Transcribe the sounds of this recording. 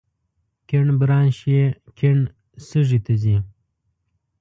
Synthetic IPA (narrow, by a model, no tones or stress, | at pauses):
keɳbɾɑːnɕiekʰeɳ | səʐit̪ɐzi